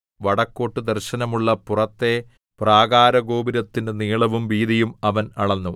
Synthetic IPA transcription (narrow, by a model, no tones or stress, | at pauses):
ʋɐɽɐkːo̞ːʈːɨd̪ɐrɕɐnɐmuɭːɐpurɐt̪ːe̞ | praːɡaːɾɐɡoːbiɾɐt̪ːinde̞niːɭɐʋumʋiːd̪ijumɐʋɐnɐɭɐnːu